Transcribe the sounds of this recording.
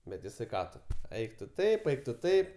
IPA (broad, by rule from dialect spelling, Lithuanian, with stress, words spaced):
bʲɛt jɪˈsɐɪ ˈkɑː tʊ ˈɛɪk tʊ ˈtɐɪp ˈɛɪk tʊ ˈtɐɪp